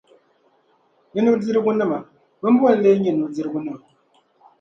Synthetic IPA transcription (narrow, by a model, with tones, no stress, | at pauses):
ɲi˦nu˦d͡zi˦ɾɡu˦nɨ˦˨ma˨ | bə˦m˦bu˦a˦˨˦le˦ɲi˨nu˨d͡zi˦ɾɡu˦nɨ˦ma˨